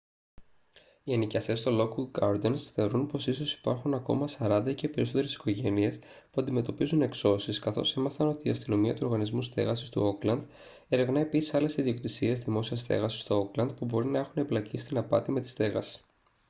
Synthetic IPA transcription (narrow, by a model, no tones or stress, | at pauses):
ienicɐst̪e̞st̪olo̞kuɡɐɾd̪ensθe̞o̞ɾunpo̞siso̞si̥pɐɾxunɐko̞̰mɐsɐɾɐnd̪ɐcepe̞ɾiso̞t̪e̞ɾesi̥ko̞ʝe̞nie̞s | puɐnd̪ime̞t̪o̞pizune̞kso̞siskɐθo̞̰se̞mɐθɐno̞t̪iːɐst̪ino̞miɐt̪uo̞ɾɣɐnizmust̪e̞̰ɣɐsist̪ṵo̞klɐnd̪ | e̞ɾe̞vnɐepisi̥sɐle̞siðiokt̪isie̞zðimo̞siɐst̪e̞̰ɣɐsi̥st̪o̞oklɐnd̪pubo̞ɾinɐexune̞blɐcisi̥t̪inɐpɐt̪ime̞t̪i̥st̪e̞ɣɐsi̥